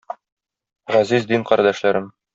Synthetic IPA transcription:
ʁæzizd̪iɴqɑɾd̪æʃlæɾɘm

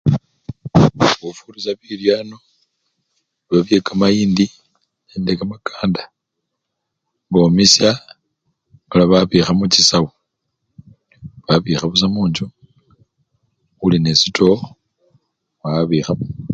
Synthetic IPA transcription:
βufuɾusaβiljano | βaβje̞kamajiːndi | endekamakaːnda | βomisja | βalaβaβixamucisawu | βaβixaβus̬amuːɲd͡ʒu | ulinesitʰo̞ | waβixam

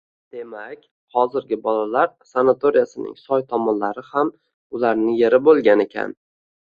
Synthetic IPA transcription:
d̪̥e̞makʲ | hɒzɪɾɡʲɪbɒlalaɾsanat̪ʰoɾijasɪnɪ̰ŋsɒjt̪ʰɒmɒnlaɾɪham | ʊlaɾnɪje̞ɾɪbolˠɡʲane̞kʲʰa̰n

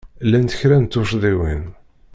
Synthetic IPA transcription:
lːænt̪əçɾænt̪ːʊʃðˤiwin

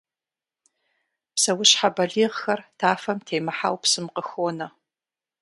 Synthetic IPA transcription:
psɐwʊɕħabɐɮiːʁxɐrtʰaːfɐmtʰeːmɨħa̰wpsɨmqəxoːnɐ

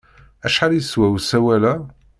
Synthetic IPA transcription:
æʃħaɾjəswæwsæwælæ

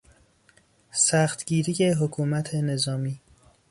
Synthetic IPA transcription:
sæxt̪ɟ̥iːɾije̞ɦokʰuːmæt̪ʰe̞ne̞zɒːmiː

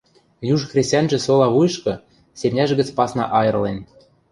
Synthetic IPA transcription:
juʒxrʲisʲt̪ʲænʒɘ̆solˠɑβujʃkɤ̆ | semnʲæʒɘ̆ɡɘ̆t͡spɑsnɑ̰ʔɑjɤ̆ɾɤ̆lĕnʲ

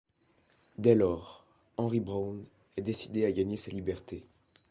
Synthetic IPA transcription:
d̪ɛlɔʁ | ɑ̃ʁibʁan | ɛd̪esid̪eaɡaɲesalibɛʁt̪ʰe

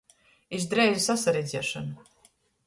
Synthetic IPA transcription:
is̬d̪ɾɛjzʲusasaɾɛzʲɛ̰ʃanu

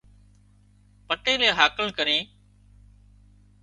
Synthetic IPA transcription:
pəʈẽːleːɦaːkəɳkəɾẽː

